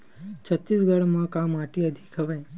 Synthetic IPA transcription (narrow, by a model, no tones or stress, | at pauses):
t͡ʃʰət̪ːisɡəɽmãkamaʈiəd̪ʱikʰəʋaj